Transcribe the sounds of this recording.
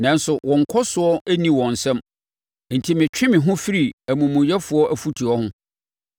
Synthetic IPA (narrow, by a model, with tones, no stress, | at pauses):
nã˨n˦sʊ˨wʔɔ̃˨ŋ̩˨kʰɔ˦sʊ˨ɔ˦æ˦nĩ˦wɔ̃˨n̩˨sɛ̃˦m | n̩˨tʰi˨mɪ̃˨t͡ɕᶣɪ̃˦mɪ̃˨ɦʊ̃˦fi˦ɾi˨æ˨mũ˨mũ˨jɛ˦fʊ˨˦ɔ˦ʔæ˦fu˦tʰi˨ɔ˦hʊ̃˦